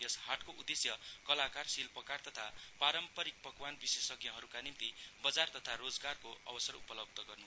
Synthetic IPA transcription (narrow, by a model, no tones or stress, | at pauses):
jʌshaʈkoud̪esjʌkʌlakarsilpʌkart̪ʌt̪ʰapaɾʌmpʌɾik̚pʌkwanbisesʌɡjʌ̃ɦʌɾukanimt̪ibʌd͡zart̪ʌt̪ʰaɾod͡zɡarkoʔʌ̰bʌsʌɾṵpʌlʌb̚d̪ʱʌɡʌrnu